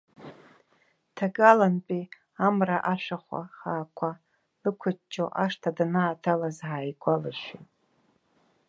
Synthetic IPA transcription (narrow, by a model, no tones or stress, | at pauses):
tʰaɡalanpʼi | amraʔaʃʷᶣaχʷa̰χaːkʷʰa | lɨkʷʰʊt͡ʃʰʼːoʔaʂtʰadanaːtʰalazʕaːjɡʷalaʃʷitʼ